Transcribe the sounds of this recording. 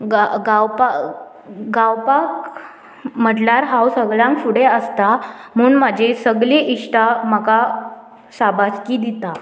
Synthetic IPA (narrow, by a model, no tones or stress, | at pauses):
ɡaɡawpa | ɡawpak | m̤əʈljaɾɦawsəɡɭjãŋkfuɽeəst̪am̤əuːnmad͡ʑʱesəɡleʔiʂʈʰamaka | sabat͡skiːd̪it̪a